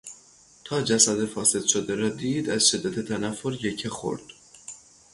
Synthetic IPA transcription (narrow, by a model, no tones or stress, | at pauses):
t̪ʰɒːd͡ʒæsæd̪efɒːse̞d̪ʃod̪eɾɒːd̪iːd̪æz̥ʃe̞d̪ːæt̪ʰet̪ʰænæfːoɾjecʰexo̰ɾd̪̥